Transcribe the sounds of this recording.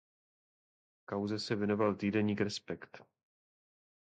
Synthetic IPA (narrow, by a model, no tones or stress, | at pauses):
kawzɛsɛvjɛnovalt̪iːdɛɲiːkɾɛspɛkt̪